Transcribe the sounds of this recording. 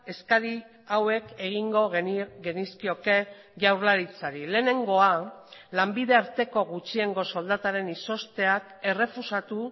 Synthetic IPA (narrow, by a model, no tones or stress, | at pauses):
e̞skaɾi | awe̞ke̞ɣiŋɡo̞ɣe̞niskio̞ke̞ | ʝawɾlaɾit͡saɾile̞ːne̞ŋɡo̞alambiðe̞aɾt̪e̞ko̞ɣut͡ʃieŋɡo̞so̞ld̪at̪aɾe̞niso̞st̪e̞ak | e̞re̞fusat̪u